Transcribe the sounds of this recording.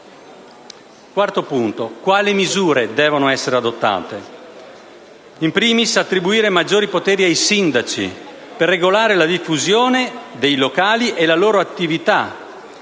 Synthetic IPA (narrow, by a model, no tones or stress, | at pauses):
kwart̪opunt̪okwaːlimizuːɾed̪ɛːvonoɛsːeɾead̪ot̪ːa̰ːt̪e | impɾiːmisat̪ːɾibuiːɾemad͡ʒːoːɾipot̪ɛːɾiajsind̪at͡ʃḭ | perːeɡolaːɾelad̪ifːuzjoːned̪ejlokaːliʔelaloːɾoat̪ːivit̪a